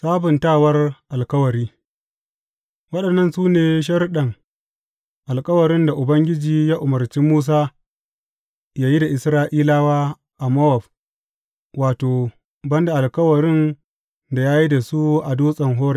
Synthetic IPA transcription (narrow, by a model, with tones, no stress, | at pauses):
saː˦bʊ˨ntaː˦˨wɐ˦rʔa˨lkɐ˦wɐ˨ɾiː˦ | wɐ˦ɗɐ˨nːɐ˦nsuː˦neː˨ʃ̬ɐ˦rɗɐ˨ŋ | ʔa˨lkʼɐ˦wɐ˨ɾɪ˦nda˨ʔʊ˨bɐ˦ŋɡʲɪ˦d͡ʒiː˨jaː˦ʔʊ˨mɐ˨rt͡ʃi˦muː˦s̬aː˦ | jaː˦ji˦da˨ʔɪ˨sɾaː˦ʔiː˦laː˦waː˦ | ʔa˨mɐ˦wɐ˨b | waː˨toː˨ | bɐ˦nda˨ʔa˨lkɐ˦wɐ˨ɾɪ˦n | da˨jaː˦ji˦da˨su˦ʔa˨duː˦sʼɐ˨ŋɦoː˦ɾe˨